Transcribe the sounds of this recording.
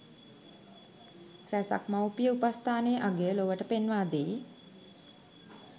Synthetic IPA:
ræsa̰kmawpijəupast̪ʰaːneːʔaɡejəloʋəʈəpenʋaːd̪e

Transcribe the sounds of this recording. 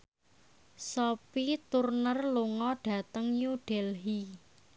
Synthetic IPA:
sɔpit̪urnərluŋɔɖ̥ä̤t̪əŋjuɖ̥ɛlɦi

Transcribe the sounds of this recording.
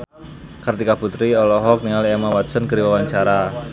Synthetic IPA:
kart̪ikaput̪ɾiɔlɔɦɔk̚niŋalemawat̪sənkəɾiwawaɲt͡ʃaɾa

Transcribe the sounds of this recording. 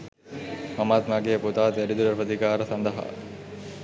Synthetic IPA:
mɐmaːt̪maːɡeːput̪aːt̪ɐɾid̪uɾɐɾpəd̪ikaːɾəsɐnd̪ɐɦa̰

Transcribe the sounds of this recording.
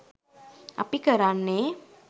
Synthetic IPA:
a̰pikəɾanːe

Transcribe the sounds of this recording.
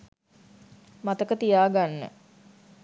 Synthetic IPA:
mat̪əkət̪ijaːɡanːə̰

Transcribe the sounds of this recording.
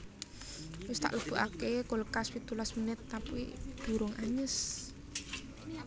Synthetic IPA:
wɪst̪a̰ʔləb̥ṳʔa̰kekoləkaswit̪ulasmənɪt̪̚ːapuḭd̪̥ṳɾʊŋʔaɲəs

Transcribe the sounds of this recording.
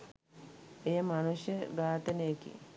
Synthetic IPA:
ejəmanusjəɡaːt̪ənejekḭ

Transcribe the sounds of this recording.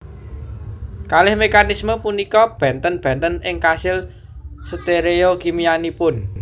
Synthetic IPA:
kalɪhmekanisməpunikɔb̥ɛ̤nt̪ənb̥ɛ̤nt̪ənɪŋkasɪl | sət̪eɾeokimianipʊn

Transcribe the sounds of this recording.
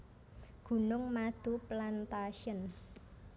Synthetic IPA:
ɡ̥ṳnʊŋmad̪̥ṳplant̪aʃən

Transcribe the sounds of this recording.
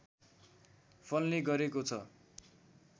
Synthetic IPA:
pʰʌnːeɡʌɾekot͡sʰʌ

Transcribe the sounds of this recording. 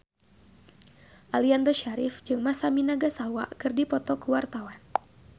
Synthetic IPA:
ʔaliand̪ɔʃaɾɪfd͡ʒɨŋmasaminaɡasawa̰kɨrdipɔt̪ɔkuwart̪awan

